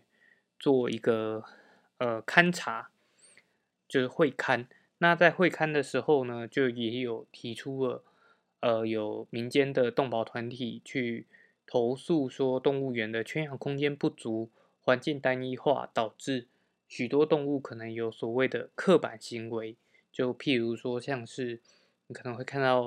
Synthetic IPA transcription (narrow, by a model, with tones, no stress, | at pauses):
t͡swɔ˥˩i˧˦˥ɡə˧ | ə˧kʰa˥nʈ͡ʂʰa˧˥ | t͡ɕjo˥˧ʊ˥˩xwe˥˨˩ɪkʰa˥n | na˥˧t͡sa˥˧ɪxwe˥˧ɪkʰa˥nd̪ə˨ʂɻ̩˧˥xo˥˧ʊnə˩t͡ɕjo˥˩ʊjɛ˨˩˦jo˨˩ʊt̪ʰi˧˥ʈ͡ʂʰu˦lə˨ | ə˧jo˨˩ʊmi˧˦nt͡ɕjɛ˥nd̪ə˨t̪ʊ˥˨˩ŋpɑ˨˩ʊt̪ʰwa˧˦nt̪ʰi˨˩t͡ɕʰy˥˩ | t̪ʰo˧˥ʊsu˥˩ʂwɔ˥t̪ʊ˥˧ŋu˥˩ɥɛ˧˥nd̪ə˨t͡ɕʰɛ˥njɑ˨˩ŋkʰʊ˥ŋt͡ɕjɛ˥npu˥˩t͡su˨˥ | xwa˧˦nt͡ɕi˥˩ŋt̪a˦˥ni˥xwa̰˥˩t̪ɑ˨˩ʊʈ͡ʂɻ̩˥˩ | ɕy˨˩t̪wɔ˥t̪ʊ˥˧ŋu˥˩kʰɤ˨˩nə˧˦ŋjo˧˥ʊswɔ˨˩we˥˩ɪd̪ə˩kʰɤ˥˨˩pa̰˨˩nɕi˧˥ŋwe˧˦ɪ | t͡ɕjo˥˧ʊpʰi˥˩ɻu˧˥ʂwɔ˥ɕjɑ˥˧ŋʂɻ̩˥˩ | ni˨kʰɤ˨˩nə˧˦ŋxwe˥˧ɪkʰa˥˧nt̪ɑ˥˩ʊ